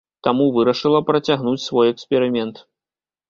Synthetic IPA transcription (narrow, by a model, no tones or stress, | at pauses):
t̪amuvɨɾɐʂɨlˠɐpɾɐt͡sʲaɣnut͡sʲsvɔjɛkspʲɛɾɨmʲɛnt̪